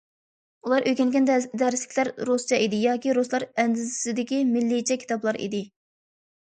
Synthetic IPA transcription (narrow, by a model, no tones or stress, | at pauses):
ulˠɑɾʔøjkʲɛnɡʲɛnd̪ɛɾɪslɪ̥kʲlæɾɾost͡ʃɛʔid̪ɪjɑːkʲiɾoslˠɑɾɛnd̪ɪzɪsɪd̪ɪkʲimɪlːɪt͡ʃʰɛkʲʰi̥t̪ʰɑblˠɑɾḭd̪ɪ